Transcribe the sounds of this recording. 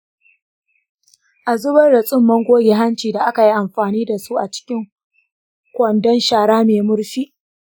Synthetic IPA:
ʔa˨zʊ˦bɐ˦rɽɐ˨sʼɪ˦mːɐ˦ŋɡʷoː˦ɡʲe˨ɦa˦nt͡ʃiː˨da˨ʔa˦ka˨ji˦ʔa˨mɸaː˨niː˦da˨su˦ʔa˨t͡ʃɪ̥˦kʲɪ˦ŋ | kʷɐ˨ndɔ˦nʃaː˨ɽaː˦meː˨mʊ˦ɽɸiː˦ʔ

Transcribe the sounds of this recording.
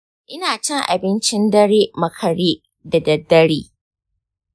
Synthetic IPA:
ʔɪ˦naː˨t͡ʃɛ˦ŋʔa̰˨bɪ˦nt͡ʃɪ˦ndɐ˦ɽeː˦mɐ˨kʰɐ˨ɽiː˦ | dɐ˨dɐ˨dːɐ˦ɽiː˦

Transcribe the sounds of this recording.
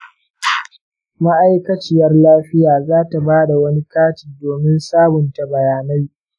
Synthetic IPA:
ma˦ʔa˦jkɐ˦t͡ʃɪ˦jɐ˦rlaː˦ɸɪ˦jaː˨zaː˦ta˨baː˦da˨wɐ˦ni˦kaː˦tiː˨doː˨mɪ˦nsaː˦bʊ˨nta˨bɐ˨jaː˨na˦j

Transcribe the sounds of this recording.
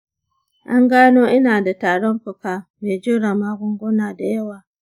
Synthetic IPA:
ʔa˦ŋɡaː˦noː˦ʔɪ˦naː˨da˨taː˨ɽɔ˦ŋɸʊ˨kaː˨meː˨d͡ʒuː˦ɽa˨maː˦ɡʷʊ˦ŋɡʷʊ˦naː˨da˨jɐ˦waː˨

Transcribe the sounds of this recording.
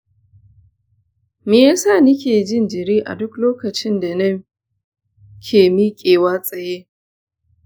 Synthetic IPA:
mi˨jaː˦sa˦˨nɪ˦kʲeː˨d͡ʒɪ˦nd͡ʒɪ˨ɾiː˦ʔa̰˨dʊ˦kloː˦kɐ˨t͡ʃɪ˦nda˨nɐ˦ | kʲʰeː˨mi˦kʲʼeː˨waː˦sʼɐ˨je˦

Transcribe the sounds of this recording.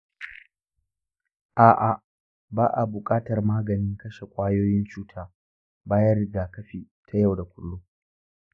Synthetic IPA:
ʔaː˨ʔa˨ | baː˦ʔa˨bʊ˨kʼaː˦tɐ˨rmaː˦ɡɐ˨nɪ˦ŋkɐ˦ʃe˨kʷʼaː˦joː˦jɪ˦nt͡ʃuː˦tʰaː˦ | baː˦jɐ˦rɽɪ˨ɡaː˨kɐ˦ɸiː˨tʰa˦ja˦˨wda˨kʷʊ˨lːu˦

